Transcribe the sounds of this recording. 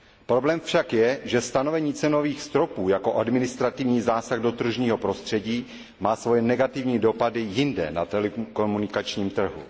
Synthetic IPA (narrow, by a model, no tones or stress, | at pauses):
pɾo̞blɛːmfʃakjɛʒɛst̪ano̞vɛɲiːt͡sɛno̞viːxst̪ɾo̞puːjako̞ʔadmɪnɪst̪ɾat̪ɪvɲiːzaːsaɣdo̞t̪r̩ʒɲiːɦo̞pɾo̞st̪r̝̥ɛɟiː | maːsvo̞jɛnɛɡat̪ɪvɲiːdo̞padɪjɪndɛ̰nat̪ɛlɛkomunɪkat͡ʃɲiːmt̪r̩ɦṵ